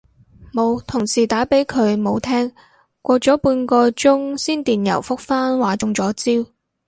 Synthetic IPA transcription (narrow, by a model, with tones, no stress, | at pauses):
mo˨˧wt̪ʰʊ˨˩ŋsiː˨˩t̪aː˨˥pe˨˥jkʰɵ˨˧ɥmo˨˧wt̪ʰɛː˥ŋ | kʷɔː˧t͡sɔː˨˥puː˧nkɔː˧t͡sʊ˥ŋsiː˥nt̪iː˨njɐ̰˨˩wfʊ˥k̚faː˥nwaː˨˥t͡ʃʊ˧ŋt͡sɔː˨˥t͡siː˥w